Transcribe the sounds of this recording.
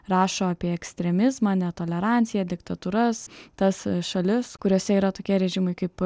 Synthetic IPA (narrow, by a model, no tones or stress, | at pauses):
ɾɑːʃoːɑpʲiɛɛksʲt̪ʲɾʲɛmʲɪzmɑːnʲɛt̪oːlʲɛɾɑnʲt̪sʲɪjɛd̪ʲɪkt̪ɐt̪uːɾɐst̪ɐsʃɐlʲɪskʊɾʲoɔsʲɛiːɾɐt̪oːkʲiɛɾʲɛʒʲɪmɐɪkɐɪp